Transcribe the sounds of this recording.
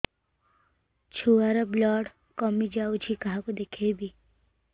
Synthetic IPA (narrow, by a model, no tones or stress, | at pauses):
t͡ʃʰuaɾablɔːɽ | kɔmid͡ʒaut͡ʃʰikaɦakod̪ekʰebʱi